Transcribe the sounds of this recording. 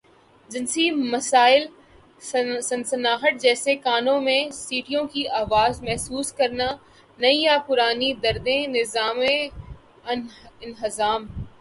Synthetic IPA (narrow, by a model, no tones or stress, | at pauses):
d͡ʒɪnsimɐsaːɪl | sɐnsɐnaːɦəʈ̚d͡ʒɛːsekaːnõmẽsiːʈijõkiʔaːʋaːzmɛɦsuːskɐɾna | nɐĩjapʊɾaːnid̪ɐɾd̪ẽnɪzaːmẽ | ɪnɦɪzaːm